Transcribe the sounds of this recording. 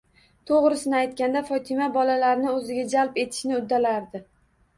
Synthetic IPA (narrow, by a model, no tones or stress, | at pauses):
t̪ʰoʁɾɪsɪnɪajt̪̚kʲand̪afɒt̪ʰɪmabɒlalaɾɪnɪɵzɪɡʲad͡ʒalpe̞t̪ʰɪ̥ʃnɪʊd̪ːalaɾd̪ɪ